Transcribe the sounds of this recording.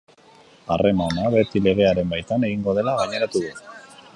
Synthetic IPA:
are̞manaβe̞t̪ile̞ɣ̞e̞aɾe̞mbajt̪ane̞ɣiŋɡo̞ðe̞laɣaɲe̞ɾat̪uðu

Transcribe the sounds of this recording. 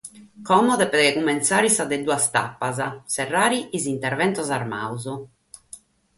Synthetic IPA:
kɔmɔd̪ɛpɛd̪ɛɛkumːɛnt̪saːɾisad̪ɛd̪uast̪a̰pːazasɛrːaːɾiʔːzint̪ɛɾvɛnt̪ɔzarma̰uzu

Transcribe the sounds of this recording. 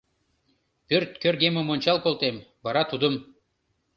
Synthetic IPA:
pʲøɾt̪kʲøɾɡʲemomonʲt͡ɕɑlˠkolˠt̪embɑɾɑt̪ud̪ɤ̆m

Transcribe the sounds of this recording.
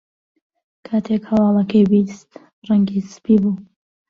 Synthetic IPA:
kʰaːt̪ʰekhɐwɑːlˠɐkɐjbist̪ | rɐŋɡizɨspiːbuː

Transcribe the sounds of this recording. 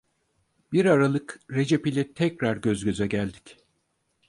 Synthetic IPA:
biɾaɾalˠɯkɾe̞d͡ʒepilʲɛt̪ʰɛcɾaɾɟøzɟø̞zɛɟælʲd̪i̥c

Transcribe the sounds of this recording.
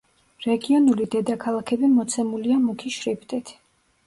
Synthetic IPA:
ɾɛɡiɔnulid̪ɛd̪akʰalˠakʰɛbimɔt̪sʰɛmuliamukʰiʃɾipʰt̪ʼɛt̪ʰ

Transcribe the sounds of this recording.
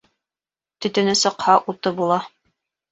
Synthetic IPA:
t̪ɵ̆t̪ɵ̆nɘsɤ̆qhɑʔut̪ɤbulˠɑ

